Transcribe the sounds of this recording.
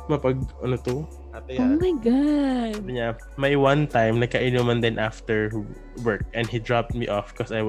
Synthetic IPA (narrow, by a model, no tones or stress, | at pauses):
mɐpɐɡ̚ʔɐnot̪o | at̪ɐjomajɡadɲa | majwɐ̃nt̪ajmnɐɡ̚kɐʔɪnumɐnd̪ɪnʔaft̪ɛɹ | wɛɹk̚ʔɛ̃nd̪hid̪ɹap̚t̪̚miʔɔfkɔsajw